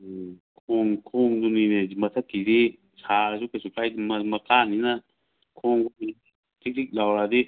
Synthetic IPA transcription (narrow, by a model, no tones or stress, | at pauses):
kʰuŋkʰũŋd̪unĩnẽmãt̪ʰakisi | t͡ʃʰaɾasukesukaimãmãkanĩnã | kʰũŋkunĩ | t̪isiklawɾad̪i